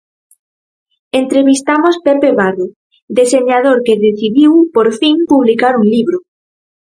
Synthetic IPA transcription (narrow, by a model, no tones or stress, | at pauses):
ent̪ɾeβist̪amospepeβaɾðo | d̪eseɲaðoɾkeðeθiðiwpoɾfiŋpuβlikaɾuŋliβɾʊ